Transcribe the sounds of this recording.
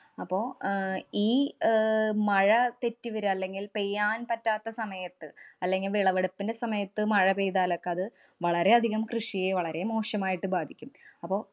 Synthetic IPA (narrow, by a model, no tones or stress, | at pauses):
ɐpːo̞ːiː | mɐɻɐt̪e̞tːiʋɐɾuɐlːe̞ŋɡilpejːaːnpɐtːaːt̪ːɐsɐmɐjɐt̪ːɨɐlːe̞ŋɡilʋiɭɐʋeɽupːindesɐmɐjɐt̪ːɨmɐɻɐbejðaːlo̞kːe̞ɐðɨ | ʋɐɭɐɾe̞ɐd̪ʱiɣɐmkrɨʂijeːʋɐɭɐɾe̞mo̞ːʂjɐmaːjiʈːɨbaːd̪ʱikʲːumɐpːo̞ː